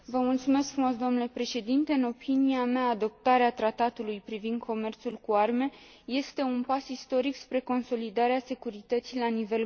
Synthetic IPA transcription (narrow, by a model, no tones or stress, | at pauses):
vəmult̪sume̞skfɾumo̞sd̪o̞mnule̞pɾe̞ʃe̞d̪int̪e̞ɨno̞piniameaːd̪o̞p̚t̪aɾeat̪ɾat̪at̪ulujpɾivind̪̚kʰo̞me̞rt̪sulkuarme̞ | je̞st̪e̞unpasist̪o̞ɾikspɾe̞ko̞nso̞lid̪aɾease̞kuɾit̪ət̪silanive̞l